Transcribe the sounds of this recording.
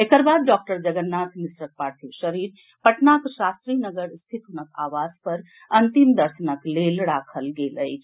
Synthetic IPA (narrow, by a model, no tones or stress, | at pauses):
ekəɾbad̪̚ɖɔk̚ʈəɾd͡ʒəɡənːat̪ʰmisɾək̚paɾt̪ʰiʃəɾiɾ | pəʈnakʃast̪ɾinəɡəɾst̪ʰit̪ɦunəka̰ʋad͡zpəɾ | ənt̪imd̪əɾsənəklelɽakʰəlɡelə̰jt͡ʃʰ